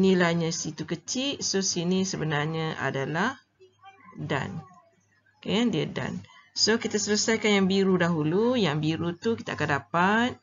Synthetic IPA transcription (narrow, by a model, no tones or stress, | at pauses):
nilaɲãsit̪ukət͡ʃiʔsosinisəbənarɲaʔa̰dalah | da̰n | kajandiada̰nsokit̪asələsajkanjaŋbiɾudaɦulujaŋbiɾut̪ukit̪akandapat̪̚